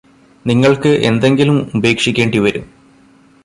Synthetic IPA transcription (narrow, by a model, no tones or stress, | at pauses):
niŋːɐɭkɨʔend̪e̞ŋɡilumube̞ːkʂikʲːeːɳɖiʋɐɾum